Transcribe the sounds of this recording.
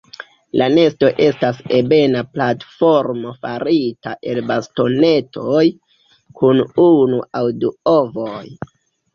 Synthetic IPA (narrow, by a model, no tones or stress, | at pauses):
lʔane̞sto̞ʔe̞stasebe̞naplatfo̞ɾmo̞faɾitaʔe̞lbasto̞ne̞tʰo̞j | kʰununuawduo̞voj